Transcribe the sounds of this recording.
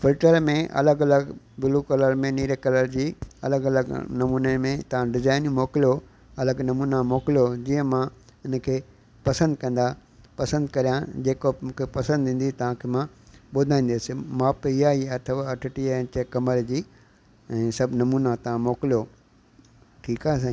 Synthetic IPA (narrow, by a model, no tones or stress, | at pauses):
fɪlʈəɾmẽʔɐ̰ləɡɐləɡ | bɪlukɐləɾmẽniːɾekɐləɾd͡ʑiːɐ̰ləɡɐləɡnɐmuːnemẽt̪ɐʋ̤ãɖɪzaːɪnmoːkɪlijo | ɐləɡnɐmuːnamoːkɪljod͡ʑiːə̃mãɪnkʰeː | pɐsə̃nd̪̚kɐ̃n̆d̪a | pɐsə̃nd̪kɐɾijãd͡ʑeːkomũːkʰepɐsə̃nd̪ʱĩːnd̪it̪ɐʋ̤ãkʰemã | ɓʊd̪ʱaːĩːnd̪esɪmãːpɪɦaːiɐt̪ʰəʋaɐʈʰɪʈiɛ̃ːt͡ɕekɐməɾd͡ʑiː | ɛ̃ːsɐbʱnɐmuːnat̪ɐʋãmoːkɪlijo | ʈʰiːkaːɦes̬ã